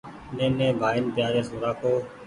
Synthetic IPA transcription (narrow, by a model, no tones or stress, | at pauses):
nẽːnẽːbʱaːɪnpjaːɾeːsoːɾaːkoː